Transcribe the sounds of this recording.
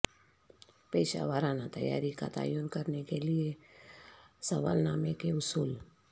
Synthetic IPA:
peɪʃa̰ʋaɾanat̪ə̰ja̰ɾika̰t̪a̰jonkəɾnekelie | səʋa̰lnaːmekeʊsuːl

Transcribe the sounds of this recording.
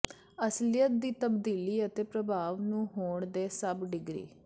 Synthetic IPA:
əslɪjət̪̚d̪iːt̪əbd̪iːliːət̪eːpɾəbʱaːʋnũːɦoːɳd̪eːsəbɖɪɡɾḭː

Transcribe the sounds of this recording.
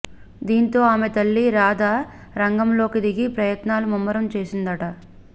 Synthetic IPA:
d̪iːnt̪o̞ːaːmet̪ɐlːiɾaːd̪aː | ɾɐŋɡɐmlo̞ːkid̪iɡipɾɐjɐt̪naːlumumːɐɾɐmt͡ʃe̞ːsind̪ɐʈɐ

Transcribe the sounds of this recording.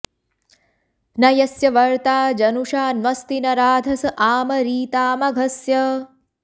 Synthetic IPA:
nɐjɐsjɐʋɐɾt̪aːd͡ʒɐnuʂaːnʋɐst̪inɐɾaːd̪ʱɐsɐʔaːmɐɾiːt̪aːmɐɡʱɐsjɐ

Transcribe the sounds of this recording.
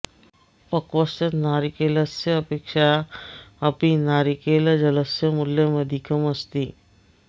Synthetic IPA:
pɐkwɐsɐt̪naːɾikelɐseɐpeːkʃa | ɐpinaːɾikelɐd͡ʒɐləsjɐmʊlːemɐd̪ʱikɐmɐst̪i

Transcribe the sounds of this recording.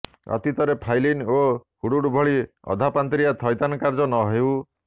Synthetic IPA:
ɔ̰t̪it̪ɔɾepʰajlinohuɽuɽbʱɔɭiɔ̰d̪ʱapant̪ɾiat̪ʰɔjt̪anɔkaɾd͡ʒɔnɔɦew

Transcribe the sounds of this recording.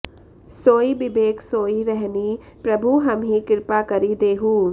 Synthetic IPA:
soːibɪbeːksoːiɾɛɦni | pɾɐbʱuɦɐmɦĩkɪɾpakɐɾid̪eːɦuː

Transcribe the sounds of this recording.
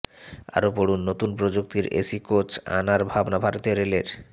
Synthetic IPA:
a̰ɾopoɽunːot̪unpɾod͡ʑuk̚t̪iɾḛsikot͡ɕa̰naɾbʱabnabʱaɾt̪eɾeleɾ

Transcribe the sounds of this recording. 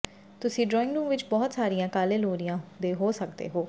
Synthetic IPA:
t̪ʊsĩːɖɾɔːɪ̃ŋɡɾũːmʋɪt͡ʃbɔːt̪saːɾijãːkaːleːloːɾijãːd̪eːɦoːsəkd̪ḛːɦoː

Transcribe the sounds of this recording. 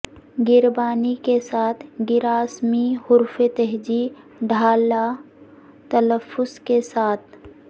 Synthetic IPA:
ɡɪɾbaːnikesaːt̪ʰɡɪɾaːsmiɦʊɾfet̪ɛɦd͡ʒi | ɖʱaːla | t̪ɐləfːʊskesaːt̪̚ʰ

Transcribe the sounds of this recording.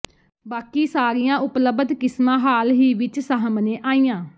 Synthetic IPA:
baːkiːsaːɾijãːʔʊpləbəd̪kɪsmãːɦaːlɦiːʋɪt͡ʃsəɦəmnẽːʔaːiːjãː

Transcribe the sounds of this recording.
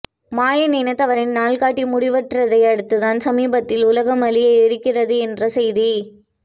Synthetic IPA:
maːjɐniːnɐt̪ɐʋɐɾɪnnaːlkaːʈːimʊɽɪʋɐʈrɐðɐɪɐɽɯt̪ːɯðaːnsɐmiːbɐt̪ːɪlʊlɐɣɐmɐlɪjɐɪɪɾɯkːɪrɐðɯɛndrɐsɛjði

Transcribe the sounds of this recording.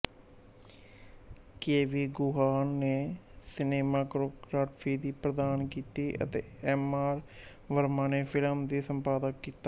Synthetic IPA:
keːʋiːɡʊɦaːnːeːsɪneːmaːkɾoːkɾaːʈpʰiːd̪iːpɾəd̪aːnkiːt̪iːʔə̰t̪ḛːɛːmaːɾ | ʋəɾmaːneːpʰɪləmd̪iːsəmpaːd̪əkːiːt̪aː

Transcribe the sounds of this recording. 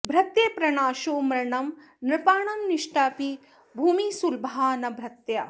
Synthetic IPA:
bʱɾɐt̪jeːpɾɐɳaːʃoːmɾɐɳɐm | nɾɪpaːɳɐmniʂʈaːpi | bʱuːmisulbɦaːnɐbʱɾɐt̪jɐ

